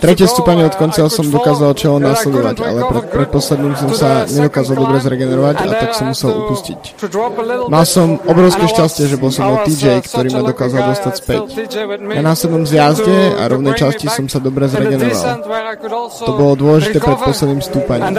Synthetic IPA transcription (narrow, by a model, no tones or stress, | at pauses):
t̪ɾɛcɪɛst̪uːpaɲɛɔt̪kɔnt͡sasɔmd̪ɔkaːzalt͡ʃɛlɔmnaːslɛd̪ɔʋaɟa̰lɛpɾɛt̪pɾɛt̪̚pɔslɛd̪niːmsɔmsaɲɛd̪ɔkaːzalˠd̪ɔbɾɛzɾɛɡɛnɛɾɔʋaɟa̰t̪aksɔmːusɛlṵpuscḭc | malsɔmɔbɾɔʊskɛːʃcascɪɛʒɛbɔlsɔmɔjt̪iːd͡ʒɛjkt̪ɔɾiːmad̪ɔkaːzald̪ɔst̪acspɛ̰cjanaslɛd̪nɔmzjazɟɛa̰ɾɔʊnɛjt͡ʃascisɔmsad̪ɔbɾɛzɾɛɡɛnɔʋa̰lˠ | t̪ɔbɔlɔd̪ʊɔlɛʒit̪ɛːpɾɛt̪̚pɔslɛd̪niːmfst̪uːpaɲḭːm